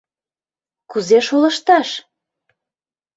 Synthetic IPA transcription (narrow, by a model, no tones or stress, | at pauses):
kuzeʃolə̆ʃt̪ɑʃ